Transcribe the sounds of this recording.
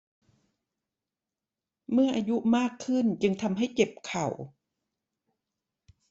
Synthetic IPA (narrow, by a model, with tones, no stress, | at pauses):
mɯ˥˩ɐʔaː˧ju˦˥ʔmaː˥˩kʰːɯ˥˩nt͡ɕɯ˧ŋt̪ʰa˧mɦa˥˩jke˨˩p̚kʰa˨˩w